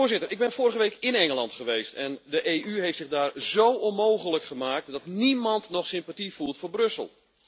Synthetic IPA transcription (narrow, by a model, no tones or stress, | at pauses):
ʊəzɪtərɪɡ̚bɛnfoːrəɣəʋejkɪnɛŋəlˠɑntχəʋeːstɛndəʔejʔyɦejftsɪɣdaːrzowonmoːχələkχəmaːk̚tdɔtnimɑntnɔχsɪmpatifulˠtfoːbrɵsə̰lˠ